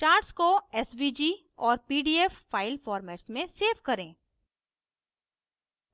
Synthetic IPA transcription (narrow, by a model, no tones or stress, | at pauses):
t͡ʃaːɾʈskoɛsʋid͡ʒiː | ɔːɾpiːɖiːɛffaːɪlfɔːɾmɛːʈsmẽseːfkɐɾẽː